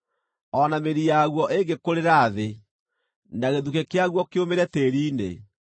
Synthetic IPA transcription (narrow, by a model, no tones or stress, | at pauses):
ɔnameɾijaɣwɔʔeŋɡekoɾeɾaːðe | naɣeðukekeaɣwɔkeomeɾɛteːɾiːnḛ